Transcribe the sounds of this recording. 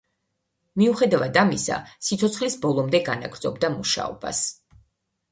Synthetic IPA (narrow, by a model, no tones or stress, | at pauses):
miuχɛd̪avad̪amisa̰sit̪sʰɔt̪sχlisbɔlˠɔmd̪ɛɡanaɡɾd̪zɔbd̪amuʃa̰ɔba̰s